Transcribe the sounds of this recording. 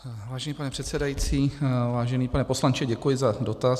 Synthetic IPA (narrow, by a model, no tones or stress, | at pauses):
vaːʒɛniːpanɛpr̥ɛt̪sɛdajit͡siːvaːʒɛniːpanɛpo̞slant͡ʃɪɟɛkujɪzado̞t̪as